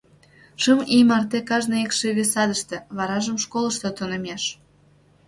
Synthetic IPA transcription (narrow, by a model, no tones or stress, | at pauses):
ʃəmimɑrt̪ekɑʒnɤekʃeβesɑd̪əʃt̪ĕβɑɾɑʒəmʃkoləʃt̪ot̪onəmʲeʃ